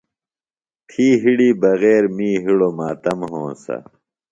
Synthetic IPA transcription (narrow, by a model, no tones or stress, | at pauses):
t̪ʰiːɦiɽiːbɐɣeːɾmiːɦiɽomaːt̪ɐmɦõːsɐ̰